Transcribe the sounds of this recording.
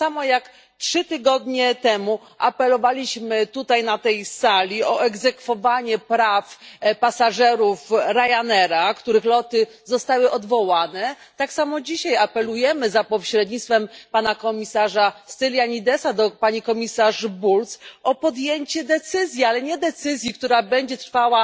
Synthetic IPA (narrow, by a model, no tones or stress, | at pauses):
samɔjak | tʂɘt̪ɘɡɔd̪ɲɛt̪ɛmu | ʔapɛlɔvalʲiɕmɘt̪ut̪ajnat̪ɛjsalʲiɔʔɛɡzɛkfɔvaɲɛpɾafpasaʐɛɾufɾajanɛɾakt̪uɾɘxlɔt̪ɘ | zɔst̪awɘʔɔd̪vɔwanɛ | t̪aksamɔd͡ʑiɕajapɛlujɛmɘzapɔɕɾɛd̪ɲit̪st̪fɛmpanakɔmʲisaʐast̪ɘlʲjaɲid̪ɛsad̪ɔpaɲikɔmʲisaʐbult̪sɔpɔd̪jeɲt͡ɕɛd̪ɛt̪sɘzʲjialɛɲɛd̪ɛt̪sɘzʲjikt̪uɾabɛɲd͡ʑɛt̪ɾfawa